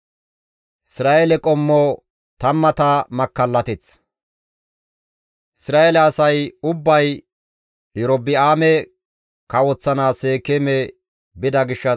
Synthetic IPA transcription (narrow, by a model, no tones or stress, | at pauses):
ʔɪsɾaːʔelɛkʼɔmːo | t̪ɐmːɐt̪amɐkːɐlːɐt̪ɛt͡s | ʔɪsɾaːelɛːsɐjʊbːɐj | ɪɾɔbːɪaːmɛ | kɐwɔt͡sːɐnaːseːkɛmɛ | bɪd̪ɐɡɪʃːɐ